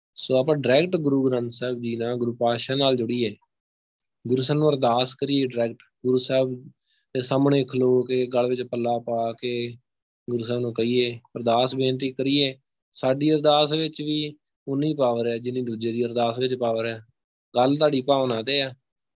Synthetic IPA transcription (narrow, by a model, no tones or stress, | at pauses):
soːapãːɖəɾɛːkʈɡʊɾuːɡɾãnt̪sɛːb̚d͡ʒiːnaːɡʊɾuːpaːʃãːnaːld͡ʒʊɽiːeː | ɡʊɾuːsaːnũːəɾd̪aːskəɾiːeːɖəɾɛːk̚ʈɡʊɾuːsɛːb | t̪eːsaːmɳeːkʰloːkeɡəlʋɪt͡ʃpəlːaːpaːkeː | ɡʊɾuːsaːnũːkəiːeːpəɾd̪aːsbeːnt̪iːkəɾiːeː | saːɖiːəɾd̪aːsʋɪt͡ʃʋiː | ʊnːiːpaːʋəɾɛːd͡ʒɪnːĩːd̪uːd͡ʒeːd̪iːəɾd̪aːsʋɪt͡ʃpaːʋəɾaː | ɡəlt̪aːɖiːpaːonaːt̪eːaː